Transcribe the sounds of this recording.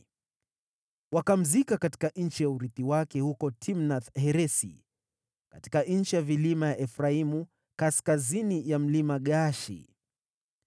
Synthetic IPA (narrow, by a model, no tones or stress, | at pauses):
wakam̩zikakati̥kan̩t͡ʃijauɾiθiwakɛhukɔtʰimnaθhɛɾɛsḭ | kati̥kan̩t͡ʃijavilimajaʔɛfɾaimu | kaskazinijam̩limaɠaʃḭ